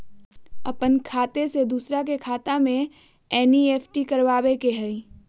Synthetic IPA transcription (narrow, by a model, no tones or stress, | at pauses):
ɐ̰pənkʰaːt̪esed̪uːsɾak̬ekʰaːt̪amẽ | ɛːnieːfʈikɐɾʋaːbekeɦɛi